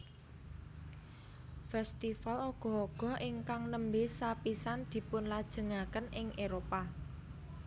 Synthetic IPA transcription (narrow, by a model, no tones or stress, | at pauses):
fɛst̪ifaloɡ̥ɔ̤ɦoɡ̥ɔ̤ʔɪŋkaŋnəmbesapisand̪̥i̤pʊnlad̥ʒ̥ə̤ŋakənɪŋeɾopa